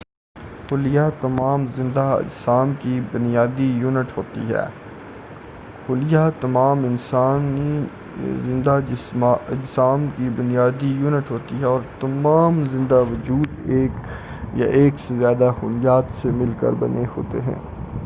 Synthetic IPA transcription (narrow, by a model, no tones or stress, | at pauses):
xʊlɪjat̪ɐmaːmzɪ̃nd̪aɪ̰d͡ʒsaːmkibʊnijaːd̪ijuːnɪʈɦoːt̪iɦɛ̰ː | xʊlɪjat̪ɐmaːmɪnsaːn | zɪ̃nd̪a | ɪd͡ʒsaːmkibʊnɪjaːd̪ijuːnəʈɦoːt̪iɦɛɔːɾt̪ɐmaːmzɪ̃nd̪aʋɐd͡ʒuːd̪eːk | ja̰ʔeːksezjaːd̪axʊlɪjaːt̪semɪlkə̰ɾbɐ̰neho̰ːt̪ḛɦɛ̰̃ː